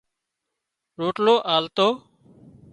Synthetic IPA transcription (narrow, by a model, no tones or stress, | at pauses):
ɾoːʈloːʔaːlt̪oː